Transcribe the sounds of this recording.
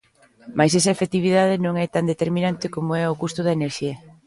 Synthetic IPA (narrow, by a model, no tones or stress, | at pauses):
majsesɐefekt̪iβ̞iðað̞ɪnõŋɛt̪and̪et̪eɾmĩnant̪ɪkomoɛʊkust̪ʊð̞ɐeneɾʃiɐ